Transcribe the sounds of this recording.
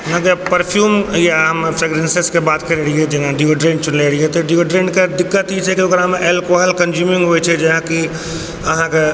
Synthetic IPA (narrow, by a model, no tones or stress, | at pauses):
nãkepəɾpʰjuːmjaɦəmpʰɾeɡɾẽnseskebaːt̪keɾeɾiɦɛd͡ʒenãɖioɖɾẽːɳɖt͡ʃʊnleɾiɦɛt̪ɔɖioɖɾẽːɳɖked̪ɪkːət̪ɦit͡ʃʰɛkiokɾaɦəmeʔelkwaɦlkənd͡ʒjuːmĩŋɡɦoɛt͡ʃʰɛd͡ʒɛɦãki | əɦãke